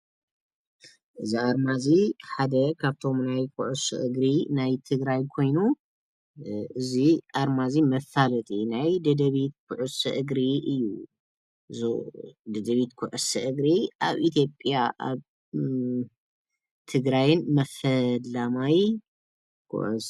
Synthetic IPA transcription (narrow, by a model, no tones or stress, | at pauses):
ʔɨziaɾmaziħad̪ɐkʰaβt̪ʰo̞mnajkʰuʕusɨ̰ʔɨɡɾinajt̪ʰɨɡɾajkʰo̞jnu | ʔɨziʔaɾmazimɐfalɐt̪ʼinajd̪ɐd̪ɐβit̪̚kʰuʕʊsɨʔɨɡɾiʔɨjːu | zod̪ɐd̪ɐβit̪kʰuʕʊsɨʔɨɡɾiʔaβʔit̪ʰjo̞pʼjaʔa̰β | t̪ʰɨɡɾajɨnmɐfɐlːamaj | kʰṵʕṵ